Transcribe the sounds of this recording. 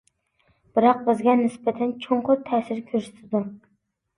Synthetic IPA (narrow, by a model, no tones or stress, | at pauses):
b̥ɨɾɑq̚bɪzɡʲɛnɪsbɛt̪ʰɛnt͡ʃʰoɴqʰʊt̪ʰɛːsɪɾkʲʰøɾʃɪ̥t̪ʰɪd̪u